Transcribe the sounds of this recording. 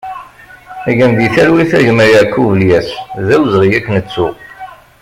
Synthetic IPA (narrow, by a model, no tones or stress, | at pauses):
æʝæmðiθælwiθæʝəmɾjækːuvəljæsðæwzʁijækːnət͡sːu